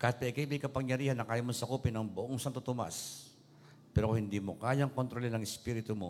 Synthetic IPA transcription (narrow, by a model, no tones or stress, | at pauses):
kɐhat̪̚pɐʔɪkajbɐjkɐpɐŋjɐɾiːhanːɐkaːjamonsɐkuːpɪnɐŋbʊʔoŋsant̪ot̪ʊma̰a̰s | pɛɾoohɪnd̪imokaːjaŋkont̪ɾolɛnɐŋɪspiɾɪt̪ʊmo